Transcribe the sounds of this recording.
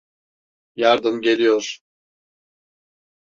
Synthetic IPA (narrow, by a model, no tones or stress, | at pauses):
jaɾd̪ɯmɟe̞lʲijoɾ̥